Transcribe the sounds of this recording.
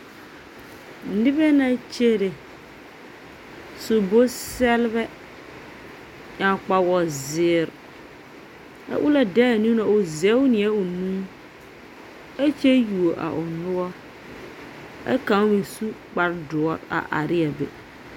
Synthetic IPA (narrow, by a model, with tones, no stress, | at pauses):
nɪ˦bɛ˦na˦t͡ʃe˦ɾe˨ | sʊ˨bo˦sɛ˦lbɛ˦ | ɲa˨k͡pa˨wɔ˨zɪː˨ɾ | a̰˨ʔʊ˦la˨dɛ˦a˨nũ˦na˨ʊ˨zɛ˨˦wnɪ˨ɛ˦ʊ˨nũ˦ | a˦t͡ʃe˦ju˨o˨ʔa̰˨ʔʊ˨nʊ˦ɔ˦ | a̰˦kã˨˦we˨su˦k͡pa˨ɾdʊ˨ɔ˨ɾa̰˨ʔa̰˨ɾɪ˦a˨bḛ˨